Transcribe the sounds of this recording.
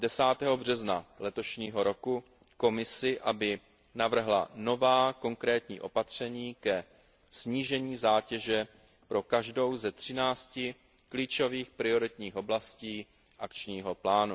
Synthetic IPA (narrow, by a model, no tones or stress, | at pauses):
dɛsaːt̪ɛːɦo̞br̝ɛznalɛt̪o̞ʃɲiːɦo̞ɾo̞ku | ko̞mɪsɪʔabɪ | navr̩ɦla̰no̞vaːko̞ŋkɾɛːt̪ɲḭːʔo̞pat̪r̝̥ɛɲiːkɛ | sɲiːʒɛɲiːzaːcɛʒɛ | pɾo̞kaʒdo̞wzɛt̪r̝̥ɪnaːt͡scɪ | kliːt͡ʃo̞viːxpɾɪo̞ɾɪt̪ɲiːxʔo̞blasciː | ʔakt͡ʃɲiːɦo̞plaːnu